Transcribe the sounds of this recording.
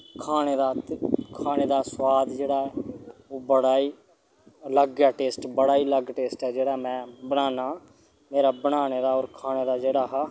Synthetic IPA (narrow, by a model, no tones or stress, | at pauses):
kʰaːɽ̃eːd̪aːkʰaːneːd̪aːswaːd̪d͡ʒeːɽaːɛːoːbəɽaːiː | ləɡjaːʈeːsʈbəɽaːiːləɡʈeːsʈɛːd͡ʒeːɽaːmɛ̃ːbəɽ̃aːnaː | meːɾaːbəɽ̃aːneːd̪aːɔːɾkʰaːñeːd̪aːd͡ʒeːɽaːɦaː